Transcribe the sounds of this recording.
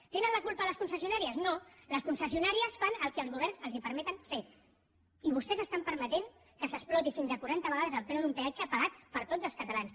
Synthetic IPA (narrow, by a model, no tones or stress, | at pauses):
t̪enənləkulpələskunsəsiunaɾiəznoləskunsəsiunaɾiəsfanəlˠkɛəlzɣuβ̞ɛrnzəlˠzipəɾmɛt̪ənfe | iβ̞ust̪ɛzəst̪ampəɾmət̪eŋ | kəsəsplɔt̪ifinzəkuɾant̪əβəɣaðəzəlˠpɾɛwðumpead͡ʒəpəɣat̪pəɾt̪od͡zəlˠskət̪əlans